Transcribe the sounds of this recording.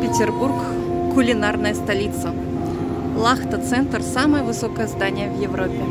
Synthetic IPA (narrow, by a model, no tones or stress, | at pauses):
pʲɪtʲɪrburk | kʊlʲɪnarnəjəst̪ɐlʲit̪sə | lˠaxt̪ət̪sɛnt̪rsaməjəvɨsokəjəzd̪anʲɪjəvjɪvɾʔopʲːɪ